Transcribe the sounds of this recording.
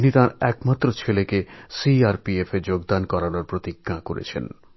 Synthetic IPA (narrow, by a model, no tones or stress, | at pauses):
nit̪ãɾɛkmat̪ːɾot͡ɕʰelekesiaɾpiefeɾd͡ʑoɡd̪ankɔɾanoɾpɾot̪iɡːakoɾḛt͡ɕʰḛn